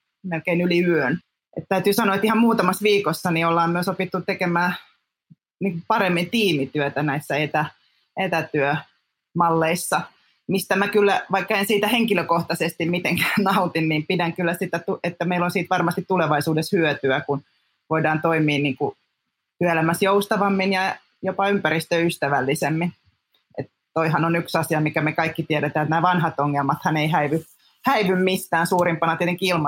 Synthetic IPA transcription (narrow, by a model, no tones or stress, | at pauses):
melkeinyliyøn | ḛt̪t̪æyt̪yːsɑnoɑet̪ihɑmmuːt̪ɑmɑsʋiːkosːɑniolːɑːmmyøsopit̪ːut̪ekemæː | niːŋkuppɑremːint̪iːmit̪yøt̪ænæisːæet̪æ | et̪æt̪yø | mɑlːeisːɑ | mist̪æmækylːæʋɑikːɑensiːt̪æheŋkiløkoht̪ɑsest̪immit̪eŋkæːnnɑut̪inniːmpidæŋkylːæsit̪æt̪uet̪ːæmeilonsiːt̪ʋɑrmɑst̪it̪tuleʋɑisuːdeshyøt̪yækun | ʋoidɑːnt̪oimiːnniːŋku | t̪yælæmæsjoust̪ɑʋɑmːinjɑ | jopɑympæɾist̪øyst̪æʋælːisemːin | ḛt̪ | t̪oihɑnonyksɑsiɑmikæmekɑikːit̪iɛɾet̪æːet̪næːʋɑnhɑt̪oŋːelmɑt̪hɑneihæiʋy | hæiʋymmist̪æːnsuːrimpɑnɑt̪iet̪eŋkiilmɑ